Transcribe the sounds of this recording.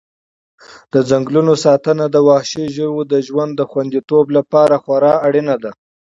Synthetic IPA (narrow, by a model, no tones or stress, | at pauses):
d̪̥əd͡zaŋɡlunosɑt̪ənad̪əwɑhʃiʒəwod̪əʒwand̪ːəxwand̪it̪oblapɑɾaxwaɾɑaɽinad̪a